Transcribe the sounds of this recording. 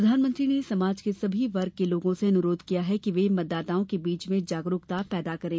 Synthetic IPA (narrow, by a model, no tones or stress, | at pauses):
ɾɐd̪ʱaːnmə̃nt̪ɾinesɐmaːd͡ʒkesɐbʱiʋɐɾɡ̚keloːɡõseɐnʊɾoːd̪ʱkijaɦɛkiʋemɐt̪̚d̪aːt̪aːõkebiːt͡ʃmẽd͡ʒaːɡɾʊkt̪apɛːd̪akɐɾẽː